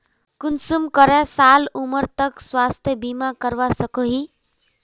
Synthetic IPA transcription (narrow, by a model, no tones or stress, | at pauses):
kunsumkʌɾasalumʌɾt̪ʌkswast̪ʰjʌbimakʌɾwasʌkoɦi